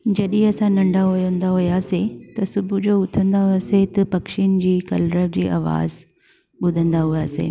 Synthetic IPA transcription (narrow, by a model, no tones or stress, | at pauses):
d͡ʑɐɗĩɐsãnɐ̃ɳɖʱaɦʊjə̃nd̪aɦʊjaːset̪ɐsʊbʱud͡ʑoːʊt̪ʰə̃nd̪aɦset̪ɐpɐkʃinɪ̆d͡ʑiːkɐ̰lɾəʋd͡ʑiːʔa̰ːʋa̰ːz | ɓʊd̪ʱə̃nd̪aɦʊja̰ːsḛː